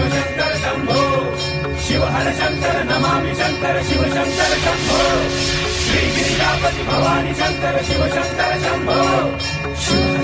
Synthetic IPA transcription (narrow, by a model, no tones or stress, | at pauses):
ɐt͡ʃɐnt̪ɐɾɐsɐmbʱɐʋ | ʃiʋɐʔɐɾɐt͡ʃɐnt̪ɐɾɐnɐmaːnit͡ʃɐnt̪ɐɾɐʃiʋɐsɐnt̪ɐɾɐsɐmbʱɐʋ | ʃɾiːʋijaːpɐt̪ibʱɐʋaːnit͡ʃɐnt̪ɐɾɐʃiʋɐsɐnt̪ɐɾɐsɐmbʱɐʋw | ʃiː